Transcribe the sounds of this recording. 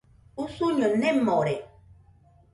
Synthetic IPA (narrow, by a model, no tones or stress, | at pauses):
usuɲonemːɔɾe